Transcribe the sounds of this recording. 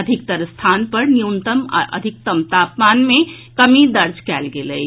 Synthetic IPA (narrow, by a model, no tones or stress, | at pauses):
ɐd̪ʱɪk̚t̪əɾst̪ʰaːnpɐɾnijunt̪əm̰ʔə̰d̪ʱɪk̚t̪əmt̪aːpmaːnmẽkɐmid̪ɐɾd͡ʒkɛːlɡeləi